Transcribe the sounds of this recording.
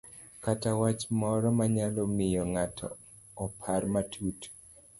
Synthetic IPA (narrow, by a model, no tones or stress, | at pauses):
katawat͡ʃmɔɾɔmaɲalɔmɪjɔŋatʰɔ̰ː | pʰarmatʰut